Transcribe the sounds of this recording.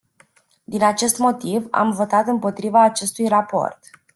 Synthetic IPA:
d̪inat͡ʃe̞st̪mo̞t̪iva̰mvo̞t̪at̪ɨmpo̞t̪ɾivaːt͡ʃe̞st̪ujrapo̞̰rt̪

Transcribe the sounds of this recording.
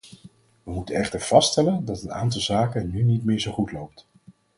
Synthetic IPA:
ʋəmutənɛχtəɹv̥ɑstɛləndɑtəna̰ːntɑlˠzaːkənynitmɪːɹzowχutlowp̚t

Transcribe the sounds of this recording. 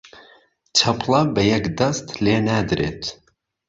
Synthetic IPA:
t͡ʃʰɐplɐbɛjɛkd̪ɐst̪leːnæd̪ɾḛːt̪

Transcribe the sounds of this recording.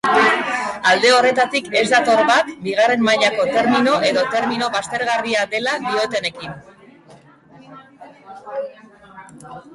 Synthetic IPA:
ald̪e̞o̞re̞t̪at̪ike̞zd̪at̪o̞ɾβakbiɣ̞are̞mmaʎako̞t̪e̞ɾmino̞ʔe̞ðo̞t̪e̞ɾmino̞βast̪e̞ɾɣariad̪e̞laðio̞t̪e̞ne̞kin

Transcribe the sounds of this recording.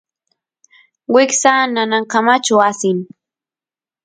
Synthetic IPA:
wɪksananaɴkamat͡ʃʊasɪŋ

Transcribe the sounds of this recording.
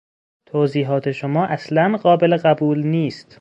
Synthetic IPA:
t̪ʰoziːɦɒːt̪ʰe̞ʃomɒːʔæslænɢɒːbeleɢæbuːlniːst̪

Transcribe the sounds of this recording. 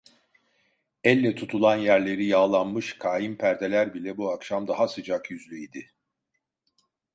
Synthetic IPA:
ɛlʲːɛt̪ʰut̪ʰulˠanjæɾlʲe̞ɾijaːlˠanmɯʃkʰaːjimpʰæɾd̪elʲæɾbilʲɛbuakʃamd̪aɦasɯd͡ʒakjyzlʲyid̪ɪ

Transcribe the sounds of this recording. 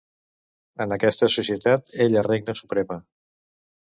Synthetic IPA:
ənəkɛst̪əsusiət̪at̪eʎəreɡ̚nəsupɾɛmə

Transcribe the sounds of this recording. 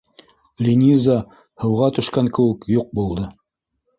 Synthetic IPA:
lʲinʲiza | hɤ̆wʁɑt̪ɵ̆ʃkæŋkɘ̆wɘ̆kjuq̚bulˠd̪ɤ

